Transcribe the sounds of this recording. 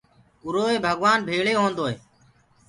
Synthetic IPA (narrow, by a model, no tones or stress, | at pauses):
ʊɾoːeːbʱəɠʋaːnbʱeːɭeːɦõːnd̪oːɦeː